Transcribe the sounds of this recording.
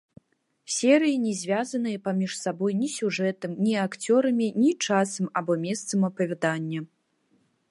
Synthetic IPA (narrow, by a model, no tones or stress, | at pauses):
sʲɛɾɨjinʲɛzʲvʲazɐnɨjɐpamʲiʂsabɔjnʲisʲuʐɛt̪ɐmnʲiakt͡sʲɔɾɐmʲinʲit͡ʂasɐmabɔmʲɛst̪sɐmɐpɐvʲɛd̪anʲːɐ